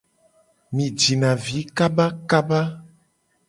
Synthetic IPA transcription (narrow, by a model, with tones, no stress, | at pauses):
mĩ˨d͡ʒi˨nã˨vi˨˦ka˦ba˦ka˦ba˦